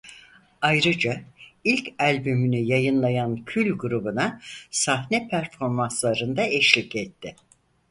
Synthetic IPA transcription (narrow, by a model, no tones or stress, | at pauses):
ajɾɯd͡ʒailʲcʰælʲbymynyjajɯnlˠajancʰylʲɡuɾubunasahnɛpʰæɾfo̞ɾmanslˠaɾɯnd̪aɛʃlʲicɛt̪ʰːɪ